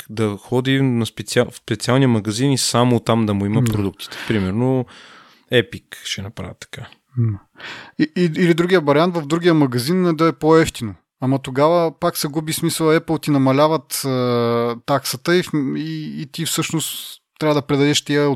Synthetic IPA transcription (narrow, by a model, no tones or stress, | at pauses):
d̪ɐxɔd̪inɐspɛt̪siafspɛt̪sialˠniəmɐɡɐzinisamot̪amd̪ɐmʊimɐpɾod̪uk̚t̪i̥t̪ɛ̥pɾimɛɾno | ɛpikʃɛnɐpɾa̰və̰t̪ːɐ̥ka | iiːlid̪ɾuɡʲiəbɐɾʲiant̪vəvd̪ɾuɡʲijəmɐɡɐzinɛd̪ɐɛpoɛft̪ino | amɐt̪oɡavəpaksɛɡubismisəlˠɛpəlˠt̪inɐmɐlʲavət̪ət̪ːaksət̪əifiːt̪ifsɤʃnost̪t̪ːɾʲavəd̪ɐpɾɛd̪ɐd̪ɛʃt̪iə